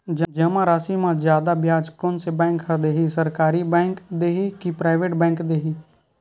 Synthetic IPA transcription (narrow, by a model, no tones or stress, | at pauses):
d͡ʒəd͡ʒɐmãɾaːsimãzjaːd̪abjaːd͡ʒkonsebɛ̃ːŋkɦəd̪eːɦisəɾkaːɾibɛ̃ːŋkd̪eːɦikipɾaːɪʋeːʈbɛ̃ːŋkd̪eːɦiː